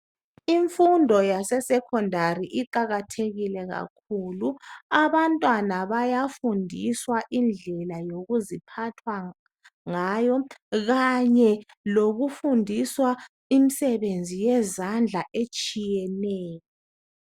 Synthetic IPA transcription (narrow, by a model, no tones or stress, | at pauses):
iɱfundʱɔjasɛsɛkʰɔndʱaɾiʔiǃaɣatʰeɣilɛɣa̰kʰuluaβantʼwanaβajafundʱiswaʔind͡ɮʱɛlajoɣuzipʰatʰwa | ŋajɔɣaɲɛ | loɣufundʱiswa | imisɛβend͡zʱijɛzand͡ɮʱaʔet͡ʃʼijɛnɛːjɔ